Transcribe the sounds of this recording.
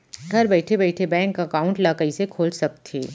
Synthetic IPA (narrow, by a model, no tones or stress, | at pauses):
ɡʱɐɾbɛːʈʰebɛːʈʰebɛ̃ːŋkɐkaːʊ̃ɳʈlaːkəisekʰoːlsɐk̚t̪ʰeː